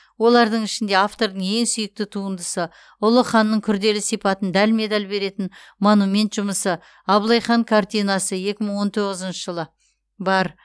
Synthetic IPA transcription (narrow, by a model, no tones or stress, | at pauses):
wo̞lˠɑɾd̪əɴɪʃɪnd̪e̞aft̪o̞ɾd̪əɴe̞ŋsʏjɪk̚t̪ɪt̪ʰuənd̪əsə | ʊlˠəχɑnːəɴkʲʰʏɾd̪e̞lɪsijpɑt̪ənd̪ælme̞d̪ɑlbe̞ɾe̞t̪ɪnmonumʲe̞nt̪ʒ̥ʊməsə | ɑblˠɑjχɑŋkʰart̪ijnɑsəje̞kʲɪməɴwo̞nt̪ʰo̞ʁəzənʃəʒəlˠə | bɑɾ